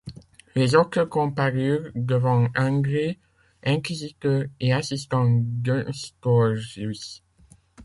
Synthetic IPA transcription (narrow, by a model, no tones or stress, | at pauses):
lezɔt̪əkɔ̃paʁyːʁd̪əvɑ̃ɑ̃ɡʁe | ɛ̃kizit̪œʁeasist̪ɑ̃ɡɛ̃st̪ɔʁi